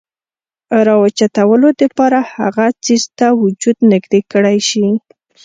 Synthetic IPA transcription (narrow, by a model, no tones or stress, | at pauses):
ɾɑwət͡ʃat̪awəlod̪əpɑɾaha̰ɣat͡sizt̪awʊd͡ʒud̪nɪɡd̪ekəɽajʃi